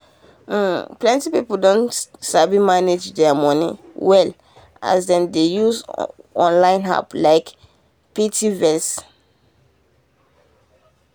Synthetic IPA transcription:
plɛ̃ntipipoldɔ̃ntsabimaned͡ʒdɛamɔ̃nḭwɛl | a̰zdɛ̃ndejuzɔ̃nlãɪ̃nɦa̰plaɪk | pitivɛs

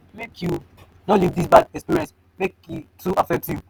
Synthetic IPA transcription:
mekʰju | nolivdisbadɛkspiɹiɛ̃ns | mekitʰuʔafɛk̚tʰju

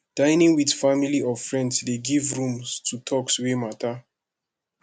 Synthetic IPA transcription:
d̥ãɪnĩŋwidfamiliɔvfɹɛ̃ndsdeɡivɹũmstʰutʰɔkswemata

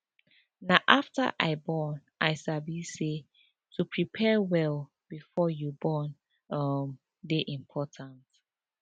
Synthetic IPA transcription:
naʔaftə̰ʔaɪbɔnʔaɪsabise | tʰupʰɹipʰɛwɛl | b̥ifɔjubɔn | ʌm | deʔĩmpʰɔtʰãnt

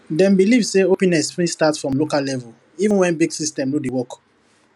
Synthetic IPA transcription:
dɛ̃nbilivseopɛ̃nɛsfĩstatfɹɔ̃mlokalɛvul | ivũnwɛ̃nbiɡsistɛ̃mludewɔk

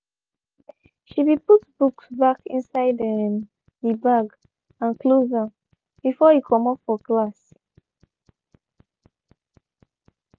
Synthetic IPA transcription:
ʃibiputbuksbakḭ̃nsaɪdɛm | ibaɡ | ãnklozã | b̥ifɔhikʰɔ̃mɔpfɔklas

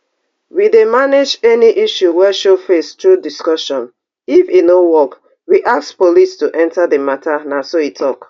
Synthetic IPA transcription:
widemaned͡ʒɛniʔiʃuwɛʃofestɹudiskɔʃɔ̃n | ifinowɔk | wiʔakspolistuʔɛ̃ntaðəmatʰanasoitʰɔk

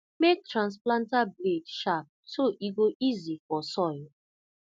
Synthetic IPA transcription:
mek̚tɹãns̬plãntabledʃap̚toʔiɡoʔizifɔsɔɪl

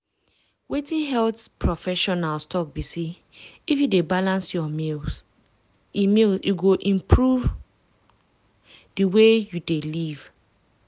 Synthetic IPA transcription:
wetĩnɦɛltpʰɹɔfɛʃɔnalstɔk̚bisi | ifjudebalãnsjɔmil | imilsiɡoʔĩmpʰɹuv | diwejudeliv̥

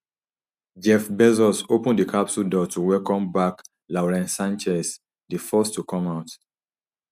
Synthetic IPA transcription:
d͡ʒɛfbɛzɔsopə̃ndikʰapsudɔtʰuwɛkɔ̃mbak | laʊɹɛ̃nsãnt͡ʃɛs | difɔstukʰɔ̃maʊt

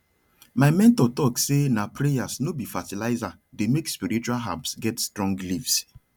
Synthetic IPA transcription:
maɪmɛ̃ntɔtɔksenapɾejasnobifatilaɪza | demekspiɾit͡ʃualɦa̰psɡɛtstɾɔ̃ŋɡlifs

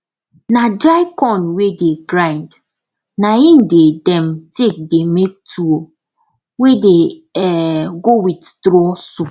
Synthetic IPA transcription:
nadɾaɪkɔ̃nwedeɡɾãɪnd | naĩndedɛ̃mtek̚demek̚tʰuo | wedeɛɡowitdɾɔsu

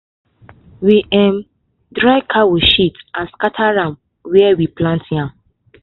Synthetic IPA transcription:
wiʔɛ̃m | dɹaɪkʰawiʃitãnskatʰaɹã | wɛɛwiplãntjãm

